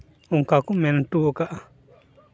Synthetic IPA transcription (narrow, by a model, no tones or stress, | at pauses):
uŋkakumentuːkaʔa